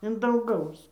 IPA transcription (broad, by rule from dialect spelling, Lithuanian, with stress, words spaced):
ɪn dɐŋˈɡɐʊs